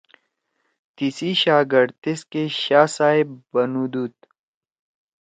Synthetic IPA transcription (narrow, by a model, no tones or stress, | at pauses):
t̪isiɕaːɡɐɾt̪eskeɕaːsaːebɐnud̪uːt̪